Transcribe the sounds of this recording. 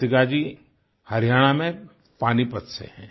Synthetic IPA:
t̪ɪkad͡ʒi | həɾijaːɽ̃amẽ | paːnipət̪sḛɦɛ̰̃ː

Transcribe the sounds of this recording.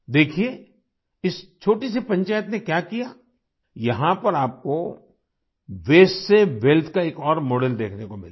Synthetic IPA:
d̪eːkʰieː | ɪst͡ʃʰoːʈisipɐ̃ɲt͡ʃaːjət̪nekjaːkijaː | jɐɦãpɐɾaːp̚ko | ʋeːsseʋɛːlt̪kaeːkɔːɾmoːɖɛld̪eːkʰnekomɪla

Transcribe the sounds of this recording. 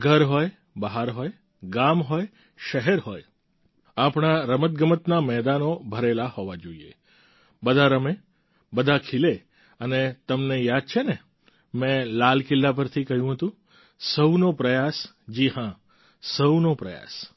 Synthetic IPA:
ɡʱəɾɦoj | bəɦaɾɦoj | ɡamɦoj | ʃəɦɛɾɦoj | apɳaɾəmət̪̚ɡəmət̪namɛd̪anobʱəɾelahoʋad͡ʒoiḛ | bəd̪ʱaɾəme | bəd̪ʱakʰile | ənet̪əmnejad̪̚t͡ʃʰene | mɛ̃lalkɪlːap̬əɾt̪ʰikəɦjũɦət̪ũ | səwnopɾəjas | d͡ʒihã | səwnopɾəja̰s

